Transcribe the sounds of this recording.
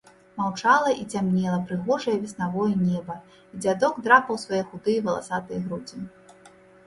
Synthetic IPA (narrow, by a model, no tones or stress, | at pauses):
mawt͡ʂalˠɐʔit͡sʲamnʲɛlˠɐpɾɨɣɔʐɐjɐvʲisnavɔjinʲɛbɐ | id͡zʲad̪ɔɡd̪ɾapɐwsvajɛxud̪ɨjɐvɐlˠa̰sat̪ɨjɐɣɾud͡zʲi